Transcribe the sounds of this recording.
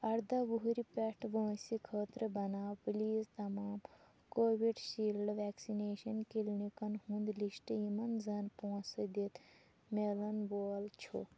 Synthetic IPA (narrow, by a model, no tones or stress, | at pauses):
ɐɾd̪ɐʋuɦuɾipeʈʋəːsikʰəːt̪ɾəbɐnaːwpliːzt̪ɐmaːm | koːʋiɖʃiːlɖʋɛːksineːʃɐnkilnikɐnhũnd̪liʃʈjimɐnzɐnpõːsɐd̪et̪ʰ | melɐnboːlt͡ʃʰo̰